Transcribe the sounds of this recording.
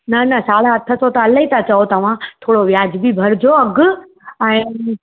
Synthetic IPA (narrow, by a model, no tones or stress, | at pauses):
nɐnɐsaːɭãɦɐt̪ʰːəsot̪aːləĩt̪at͡ɕɐot̪ɐʋ̤ãt̪ʰoːɽoʋjaːd͡ʑbibʱɐɾd͡ʑoɐɡʊ | ɛ̃ː